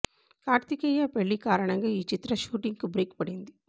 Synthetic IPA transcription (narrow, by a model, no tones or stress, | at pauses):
kaːɾt̪ikɐjɐpɛɭːikaːɾɐɳɐŋɡɐiːt͡ʃit̪ɾɐʃuːʈiŋɡkɯbɾiːkpɐɽind̪i